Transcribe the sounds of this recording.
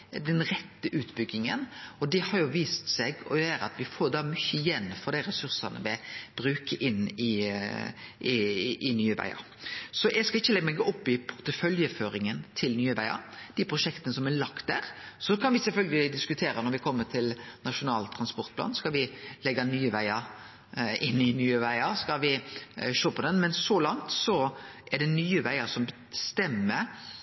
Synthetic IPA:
d̪ɛnɾɛt̪ːəʔʉːt̪bʏɡːɪŋənɔd̪ɛhɑɾjʊʋiːst̪sɛɡɔjæːɾɑ̰t̪ʋɪfoːd̪ɑːmʏçːəɪjɛnːfɔɾd̪æɪɾɛsʉɾsɑnə̰ʋɛb̥ɾʉːkəʔɪnːɪ | ɪʔɪnyːəʋæ̰ɪɑ̰ | sɔʔɛɡskɑlɪçːəlɛɡːəmɛɡːəʔɔpːɪpʰʊɾt̪əfœljəføːɾɪŋənt̪ʰɪlnyːəʋæɪɑ̰d̪̥ɪpʰɾʊʂɛkt̪ənəsɔmælɑkt̪̚d̪æ̰ːɾsɔkʰɑnʋɪsɛlfœlɡəlɪd̪ɪskʉt̪ʰeːɾɑnɔɾʋɪkʰɔmːət̪ʰɪlnɑʂʊnɑːlt̪ʰɾɑnspɔɾt̪̚pʰlɑ̰ːnskɑlʋɪlɛɡːɑnyːəʋæɪɑɾ | ɪnːɪnyːəʋæɪɑɾskɑlʋɪʃoːpʰɔd̪ɛnmɛnsɔlɑŋt̪sɔʔɛɖɛnyːəʋæɪəsɔmbə | st̪ɛmːə

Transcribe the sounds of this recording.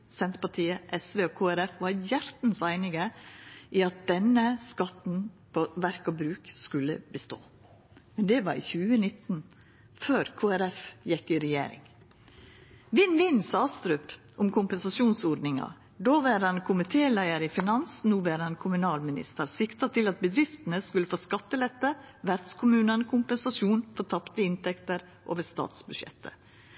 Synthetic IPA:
sɛnt̪pɑʈʰiːəʔɛsʋeːokʰoːæɾɛfʋɑɾjæɾt̪n̩sæɪnɪɡə | iɑt̪̚d̪̥ɛnəskɑt̪n̩pʰoʋæɾkɑbɾʉːkskʉlːə̰bəst̪o̰ː | mɛnd̪ɛʋɑɾḭçʉːənɪt̪ːn̩ | føːɾkʰoːæɾɛfjɛkːɪɾɛjḛːɾɪ̰ŋ | ʋɪnʋɪnsɑːst̪ɾʉːp | ʔʊmkʰʊmpɛnsɑʃuːnsɔɖ̪nɪŋɑ̰ | d̪oːʋæɾɑnkʰʊmɪt̪ʰeːlæɪəɾəfɪnɑnsn̩uːʋæɾɑnkʰʊmʉnɑːlmɪnɪ̰st̪əɾsɪkt̪ɑt̪ʰɪlɑt̪̚bəd̪ɾɪft̪ən̩əskʉləfoːskɑt̪ːəlɛt̪ːəʋæɾd̪skʰʊmʉːnənəkʰʊmpɛnsɑsuːnfɔɾt̪ʰɑpt̪əɪnt̪ɛkt̪əɾ | ʔo̰ːʋəɾst̪ɑ̰ːt̪sbʉʃjɛ̰t̪ʰːə̰

